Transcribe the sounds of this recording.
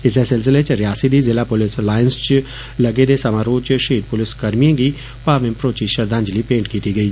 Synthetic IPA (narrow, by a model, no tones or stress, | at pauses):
ɪs̬esɪls̬ɪlet͡ʃɾɪjaːsid̪izɪlapʊlɪslaːɪnst͡ʃ | lɐɡed̪esɐmaːɾoːt͡ʃʃiːd̪̚pʊlɪskɐɾmijẽɡi | paːʋɪ̃mpɾoːt͡ʃiʃɐɾd̪ʱãːɲd͡ʒlipẽːɳʈkiːt̪iɡɐiː